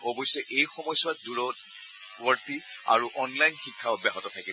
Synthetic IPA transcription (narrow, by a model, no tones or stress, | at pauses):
ɔbɔjsɔʔejxɔmɔjswat̚duɹɔ | ɡɔɹti | a̰ɹuʔɔnlajnxikʰːabɛaɦɔtɔtʰakib